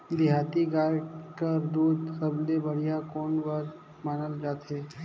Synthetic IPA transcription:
d̪ɪɦaːt̪iɡaːɾkəɾd̪uːd̪səblebəɽ̤ijakoːnʋaɾ | maːnəld͡ʒaːt̪ɦeː

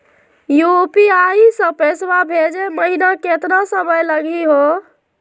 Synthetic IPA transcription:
jupiaisə̃peswabʱed͡ʒeməɦinaket̪ɾəsəməjləɡiɦo

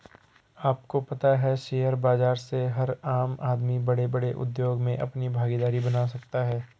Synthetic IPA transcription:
aːp̚kopɐt̪aɦɛʃeːjəɾbaːd͡ʒaːɾseɦɐɾaːmaːd̪mibɐɽebɐɽeʔʊ̰d̪joːɡmẽʔɐ̰pnibʱaːɡid̪aːɾibɐnaːs̬ɐk̚t̪aɦɛː

